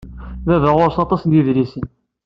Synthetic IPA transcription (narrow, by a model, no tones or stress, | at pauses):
ðæðəʁʊɾsɑt̪ˤɑsniðlisən